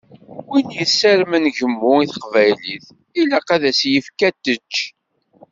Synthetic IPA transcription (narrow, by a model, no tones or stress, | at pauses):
winjəsæɾmənʝəmːʊiθə̥qvæjliθ | ilæqæðæsjəfkæt̪ːət͡ʃː